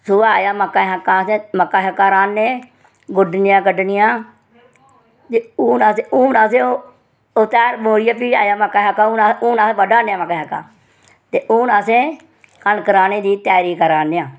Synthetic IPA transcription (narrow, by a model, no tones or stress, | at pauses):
sʊaːjaːmakːaɦakːaːsẽməkːaːɦəkːaːɾaːnːẽː | ɡʊɖnɪjãːkəɖnɪjãː | t̪eːuːnaːseuːnaːsẽːo | oːt̪ɛːɾmoːɾɪjaːpiːa̰ːjaːmakːaɦakːaːuːnaːuːnaːsẽːʋəɖaːnejãːmakaːɦakːa̰ː | t̪eːʔuːnaːsẽː | kənkəɾaːnẽːd̪iːt̪ɛːɾiːkəɾaːnːeːãː